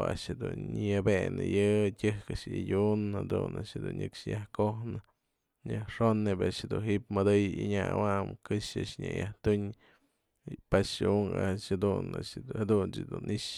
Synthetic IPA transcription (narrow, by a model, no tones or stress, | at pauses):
a̰ʔʂhed̪unɲjabenɨjɨtʲɨhkaʂidʲunhad̪una̰ʂed̪unʲɨkʂjahkohnɨ | ɲaʂonːebaʔʂhad̪unɦiʔp̚mɨd̪ɨjiɲawamkɨʂaʔʂɲʲajaht̪uɲ | paʂuŋaʃhad̪una̰had̪unt͡ʃɨd̪unʔiʂ